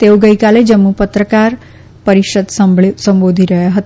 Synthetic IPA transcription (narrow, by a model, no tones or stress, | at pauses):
t̪eoɡəikaled͡ʒəmːupət̪ɾəkaɾ | pəɾiʃəd̪səɭsə̃mbod̪ʱiɾəɦjaɦət̪a